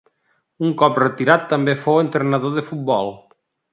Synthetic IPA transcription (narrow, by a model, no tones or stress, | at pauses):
uŋkɔpret̪iɾat̪ːambefowent̪ɾenaðoðəfut̪̚bɔlˠ